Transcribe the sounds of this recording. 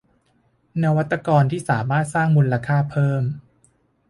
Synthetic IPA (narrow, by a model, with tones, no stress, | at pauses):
na˧wa˦˥t̪ːa˧kɔː˧nt̪ʰiː˥˩saː˩˦maː˥˩t̪̚saː˥˩ŋmu˧la˧kʰaː˥˩pʰɤː˥˩m